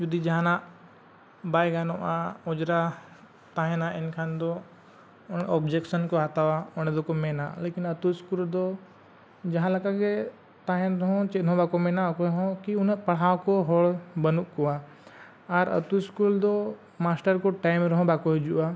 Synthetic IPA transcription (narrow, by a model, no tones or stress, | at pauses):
d͡ʒud̪id͡ʒɐɦãnã | baːjɡanoʔãʊd͡ʒɾa | t̪aːɦẽnaɪnkʰãnd̪o | ʊnɔːbd͡ʒekʃənkoat̪aʋaʊnd̪okomenãleːkɪnɐt̪uskuld̪o | d͡ʒɐɦãlɐkake | t̪aːɦẽnɾɐɦõt͡ʃed̪ʱõbaːkomẽnakoɦõkiʊnpɐɽ̤aːkoɦoːlbɐnukkoa | aɾɐ̰t̪uɪskuld̪o | maːsʈəɾkoʈaːɪmɾɐɦõbakoɦd͡ʒuʔa